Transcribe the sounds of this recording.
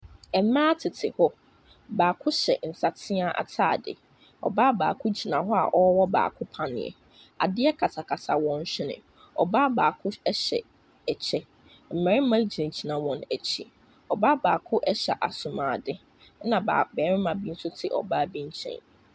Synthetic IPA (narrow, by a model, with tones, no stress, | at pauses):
ɛ˨m˦mãː˦tʰɪ˨tʰɪ˨hɔ˦ | baː˨kʰʊ˦ɕɛ̰˨n̩˨sa˨tʰɪ˦a˦ʔa̰˨tʰaː˦˨dɪ̰˨ | ɔ̰˨baː˦baː˨kʰʊ˦d͡ʑi˨nã˨ɦɔ˦a̰˨ʔɔ˦wɔ˦ba̰ː˨kʰʊ˦pʰã˨nɪ̰̃˨jɛ̰˨ | a̰˨dɪ˦ɛ˦kʰa˨tʰa˨kʰa˨sa˨wɔ̃˨n̩˦ɕᶣɪ˦nɪ̰̃˨ | ɔ˨baː˦baː˨kʰʊ˦ɛ˦ɕɛ̰˨ | ɛ˨t͡ɕʰɛ˦ | m̩˨mɛ̃˨ɾɪ˦m̩˦mã˦d͡ʑi˨ã˨d͡ʑi˨nã˨wɔ̃˨nɛ˨t͡ɕʰḭ˦ | ɔ˨ba˦baː˨kʰʊ˦ʔɛ˦ɕɛ˨ʔa˨sʊ˨mãː˨dɪ˦ | nã˨ba̰˨bɛ˨˦ɾɪ̃˦mã˨bĩ˦n̩˦sʊ˦tʰɪ˦ʔɔ̰˨baː˦bĩ˦ɲ̩˦t͡ɕʰɛ̰̃˦˨n